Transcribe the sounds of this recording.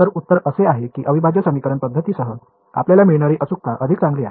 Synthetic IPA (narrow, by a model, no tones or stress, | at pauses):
əɾut̪ːəɾəseaɦekiːʔəʋibʱad͡ʑjəsəmikəɾəɳpəd̪ʱːət̪iːsəɦə | a̰pljalamiɭɳaɾiːʔəsuk̚t̪aʔəd̪ʱikt͡sãŋɡliːaɦ